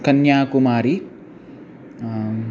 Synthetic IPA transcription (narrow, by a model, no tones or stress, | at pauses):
kɐnjaːkumaːɾi